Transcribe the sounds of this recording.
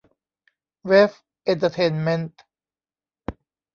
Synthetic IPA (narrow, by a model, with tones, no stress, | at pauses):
we˦˥f | ʔe˧nt̪ə˧t̪ʰe˧nme˦˥nt̪